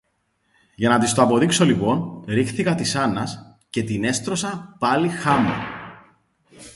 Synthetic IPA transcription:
ʝɐnɐt̪ist̪oɐpo̞ðikso̞lipo̞nɾixθikɐt̪isɐnɐs | ce̞t̪ine̞st̪ɾo̞sɐpɐlixɐmḛ

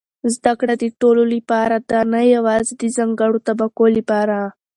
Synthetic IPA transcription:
zd̪akɽad̪əʈololipɑɾad̪anajawɑzed̪izaŋɡaɽot̪abakolipɑɾa

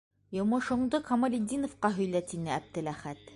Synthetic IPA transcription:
jŏmŏʃŏɴd̪ɤkɐmɐ̆lʲɪd̪ʲinŏfqɑɦɵ̆jlæt̪inɘæb̚t̪ɘ̆læχæt̪

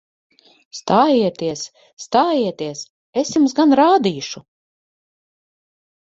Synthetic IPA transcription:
st̪aːjiɛt̪iɛsː | t̪aːjiɛt̪iɛs | esjumsɡanɾaːd̪iːʃu

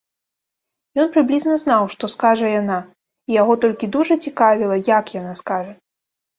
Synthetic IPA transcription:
jɔnpɾɨblʲiznɐznawʂt̪ɔskaʐɐjana | ijaɣɔt̪ɔlʲkʲid̪uʐɐt͡sʲikavʲilˠɐjakjanaskaʐɐ

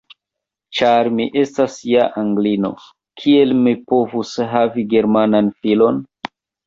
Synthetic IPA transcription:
t͡ʃaɾmiʔe̞stasjaʔaŋɡlino̞̰ | kʰie̞lmipo̞vusɦaviɡe̞ɾmananfilo̞n

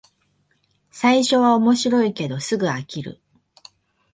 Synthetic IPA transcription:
saiɕo̞βao̞mo̞ɕiɾo̞ike̞d̪o̞sɨɡɯ̟akʲiɾɯ̟̰

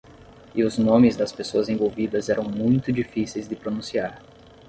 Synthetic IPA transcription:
ɪʊznõmɪzd̪ɐspesoɐzẽvowvid̪ɐzɛɾɐ̃w̃mũj̃t̪ʊd͡ʒifisejzd̪ɪpɾonũsiaɾ

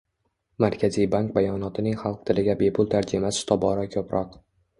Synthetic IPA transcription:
maɾkʲʰazijbaŋk̚bajɒnɒt̪ʰɪnɪŋχɑlˠq̚t̪ʰɪlɪɡʲabe̞pʰʊlˠt̪ʰaɾd͡ʒɪmasɪ̥t̪ʰɒbɒɾɒkʲʰɵpɾʔɒq

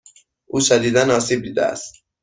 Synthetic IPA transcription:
ʔuːsæd̪iːd̪ænɒːsiːb̚d̪iːd̪æ̰æ̰st̪

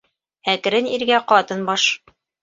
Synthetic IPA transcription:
ækɘ̆ɾɘniɾɡæqɒt̪ɤnbɒʃ

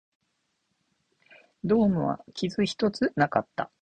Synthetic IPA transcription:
d̪o̞ːmɯ̟βa̰kʲizɨçi̥t̪o̞t͡sɨnakat̪ːa

